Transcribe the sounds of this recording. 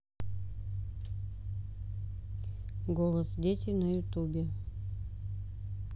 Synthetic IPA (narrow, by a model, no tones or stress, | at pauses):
ɡolˠəsdʲet̪ʲejnɐjʊt̪ubʲe